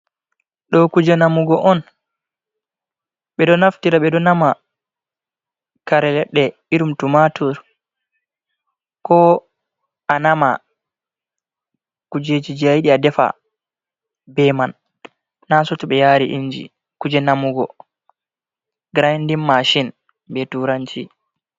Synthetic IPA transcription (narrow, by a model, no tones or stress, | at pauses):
ɗɔkud͡ʒɛnamuɡɔʔɔn | ɓɛɗɔnaftiɾaɓɛɗɔnama | kaɾɛlɛɗːɛ | iɾumtumatʰɔɾ | kɔ | anama̰ | kud͡ʒed͡ʒid͡ʒiajiɗiadɛfa̰ | bɛmanː | asɔtuɓɛjaːɾiʔiɲd͡ʒḭ | kud͡ʒɛnamuɡɔ̰ | ɡɾajndimːaʃin | bɛtuɾanti